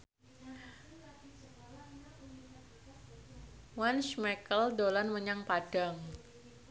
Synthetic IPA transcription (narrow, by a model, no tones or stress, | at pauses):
wanʃmɛkəldolanməɲaŋpaɖ̥a̤ŋ